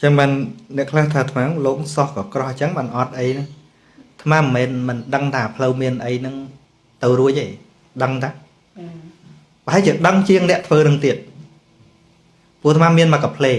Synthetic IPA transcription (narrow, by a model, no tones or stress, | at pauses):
t͡ɕəŋɓaːnːɛ̆əʔkʰlaht̪ʰaːt̪ʰmaːloːksɑhkɑːkrɑht͡ɕəŋɓaːnʔɑt̪̚ʔəjnɨ | t̪ʰmaːmmːɛːnmɨnɗəŋt̪ʰaːpʰləwmiənʔəjnɨŋ | t̪ɨwruəc̚ʔeː | ɗəŋt̪ʰaː | pə̆ɦaɛlt͡ɕiəɗəŋt͡ɕiəŋnɛ̆əʔt̪ʰʋəːnɨŋt̪iət̪̚ | puət̪ʰmaːmiənmakɑpʰleː